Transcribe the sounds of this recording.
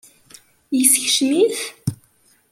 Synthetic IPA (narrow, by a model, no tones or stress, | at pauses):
jəsəçʃmiθ